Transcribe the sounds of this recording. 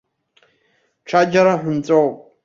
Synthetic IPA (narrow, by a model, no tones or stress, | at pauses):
ʈ͡ʂʰad͡ʒaɾaħʷᶣʊnt͡sʼowpʼ